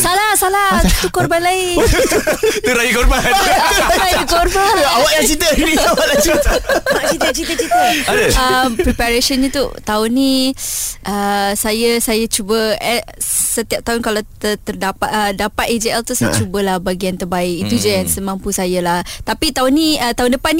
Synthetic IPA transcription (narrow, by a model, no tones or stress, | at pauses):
salasalat̪ukɔrbanlaɪ | t̪uɾajikɔrbanɾajukɔrbaawaʔjat͡ʃit̪əniawaʔlat͡ʃiat͡ʃit̪ət͡ʃit̪ət͡ʃit̪əadəəmpɾipaɾesənɲət̪ṵt̪aʊni | ʔəsajəsajat͡ʃubəɛ | sət̪iap̚t̪aʊnkalawt̪ət̪ərdapat̪ədapat̪ed͡ʒeɛlt̪usajat͡ʃubəlahbaɡiant̪ərbaɪkit̪ud͡ʒajaŋsəmãmpusajalaht̪apit̪aʊniət̪aɦʊndəpan